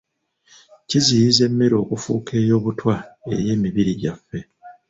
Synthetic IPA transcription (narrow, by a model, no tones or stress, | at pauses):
cizijize̞mːe̞ɾo̞ːkufṵːkʰe̞ːjo̞ːβutwae̞̰je̞ːmiβiɾiɟafːe̞